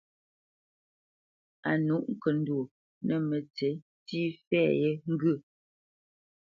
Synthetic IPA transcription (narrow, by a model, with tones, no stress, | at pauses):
a˨nu˦ʔŋ̩˨kə˨n̩˦dwu˨ | nə˨mə˨t͡se˨˦ | tiː˦fɛ˦˨je˦ŋ̩˦ɡʉ˦˨